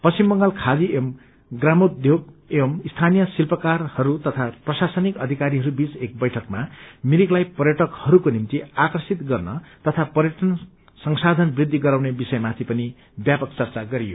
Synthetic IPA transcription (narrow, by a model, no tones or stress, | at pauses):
pʌst͡simːʌŋɡʌlkʰad͡ziem | ɡramod̪ʱjoɡ̚emist̪ʰanijʌsilpʌkarhʌɾut̪ʌt̪ʰaprʌsasʌnikʌd̪ʱikaɾiɦʌɾubit͡sek̚bʌjʈʰʌkmamiɾiklajpʌrɾjʌʈʌkhʌɾukonimt̪iakrʌsit̪ɡʌrnʌt̪ʌt̪ʰapʌɾjʌʈʌn | sʌŋsad̪ʱʌnbrid̪ʱːiɡʌɾaw̃nebisʌjmat̪ʰipʌni | bjapʌk̚t͡sʌrt͡saɡʌɾijo̰